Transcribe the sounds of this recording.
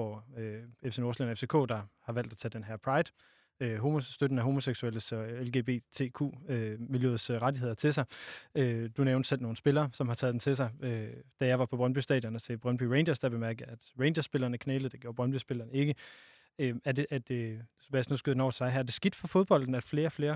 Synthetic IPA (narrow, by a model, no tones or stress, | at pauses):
ɒøefsenɒslḛnɐefse̝ːkʰo̰ːd̥ɑ̈hɑ̈ʋæl̰d̥æt͡sʰɛd̥enɦæɐ̰pʰʁɑ̈ɪd̥ | øɦo̝mosd̥ød̥n̩æɦo̝mo̝seɡ̥suel̰əsɒelɡe̝̰ːb̥e̝̰ːt͡sʰe̝ːkʰṵːømiljøð̩ˠsʁadie̝ð̰ˠɐt͡sʰe̝lsɑ̈ɪød̥uneʊnd̥sel̰no̝ːn̩sb̥e̝lɐːsɒ̽mhɑ̈t͡sʰɛ̰ːðˠd̥ent͡sʰe̝s̬ɑ̈ɪød̥æjɑ̈ɪʋɑ̈pʰɒ̽b̥ʁɶnb̥ysd̥ɛ̰ːdˠjɒnɒt͡sʰe̝b̥ʁɶnb̥yʁeɪnd̥ɐsd̥æb̥e̝mæɐɡ̥əæd̥ʁeɪnd̥ɐsb̥e̝lɐːnəkʰneːləð̩ˠde̝ɡ̥jo̝ːɐb̥ʁɶnb̥ysb̥e̝lɐːnəe̝ɡ̥ə | øæɐdeʔæ̥ | b̥æsnusɡ̥yð̰ˠdenɒ̰ɐt͡sʰd̥ɑ̈ɪɦæɐd̥e̝sɡ̥id̥fɒfo̝ð̞ˠb̥ɒ̽l̰d̥n̩æ̥fle̝ːɐfle̝ːɐ